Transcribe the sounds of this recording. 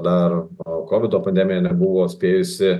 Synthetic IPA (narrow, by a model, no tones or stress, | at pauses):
d̪ɐɾkoːʋʲɪd̪oːpɐnʲd̪ʲɛmʲɪjɛnʲɛbʊʋoːsʲpʲeːjʊsʲɪ